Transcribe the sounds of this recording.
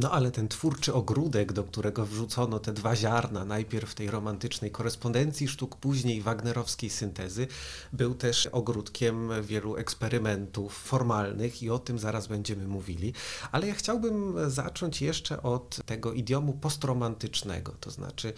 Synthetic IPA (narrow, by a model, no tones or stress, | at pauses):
nɔʔalɛt̪ɛnt̪fuɾt͡ʂɘɔɡɾud̪ɛɡd̪ɔkt̪uɾʔɛɡɔvʐut̪sɔnɔt̪ɛd̪vaʑaɾnanajpʲjɛɾfːt̪ɛjɾɔmant̪ɘt͡ʂnɛjkɔɾɛspɔnd̪ɛnt̪sʲjiʂt̪ukpuʑɲejvaɡnɛɾɔfskʲejsɘnt̪ɛzɘbɘwt̪ɛʂʔɔɡɾut̪kʲɛmvʲjɛluʔɛkspɛɾɘmɛnt̪ufːɔɾmalnɘxiɔt̪ɘmzaɾazbɛɲd͡ʑɛmɘmuvʲilʲialɛjaxt͡ɕawbɘmza̰t͡ʂɔɲt͡ɕjɛʂt͡ʂɛ̰ʔɔt̪ːɛɡɔʔid̪jɔmupɔst̪ɾɔmant̪ɘt͡ʂnɛ̰ɡɔ̰t̪ɔzna̰t͡ʂɘ